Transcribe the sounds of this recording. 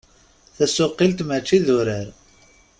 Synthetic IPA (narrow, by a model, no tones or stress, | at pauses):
θæsʊqːilt̪mət͡ʃːiðʊɾəɾ